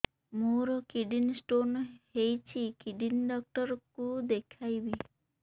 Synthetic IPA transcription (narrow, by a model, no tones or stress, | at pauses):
moɾɔkiɖinsʈonhejt͡ʃʰikiɖinɖɔk̚ʈɔɾɔkud̪ekʰajbi